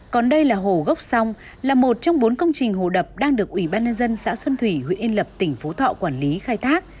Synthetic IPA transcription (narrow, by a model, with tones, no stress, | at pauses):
kɔ˨˩nɗə˧jlaː˨˩ɦo˨˩ɣə˦˥wk͡p̚sa˧wŋ͡m | laː˨˩mo˨˩t̚t͡ɕɔ˧wŋ͡mɓo˨˦nkə˧wŋ͡mt͡ɕï˨˩ŋ̟ɦo̰˧˨ɗə˨˩p̚ɗaː˧ŋɗɨ˨˩ək̚wi˧˩ɓaː˧nɲə˧nzə˧nsa̰ː˧˥swə˧nt̪ʰwi˧˩hwḭ˧˨ənʔi˧nlə˨˩p̚t̪ï˧˩ŋ̟fo˨˦t̪ʰɔ̰˧˨kwaː˧˩nli˨˦xaː˧jt̪ʰaː˦˥k̚